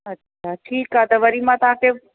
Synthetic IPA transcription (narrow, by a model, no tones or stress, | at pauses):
ətːɕʰaːʈʰiːkat̪əʋəɾimãt̪ãke